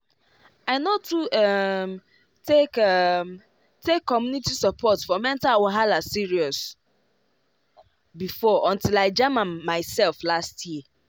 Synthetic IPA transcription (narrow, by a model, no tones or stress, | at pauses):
aɪnotuɛm | tʰekm | tʰekʰːɔmjunitisəpʰɔtfɔmɛ̃ntalwɔɦalasiɹiɔs | bifɔʔɔ̃ntilaɪd͡ʒamãnmaɪsɛlflastʰji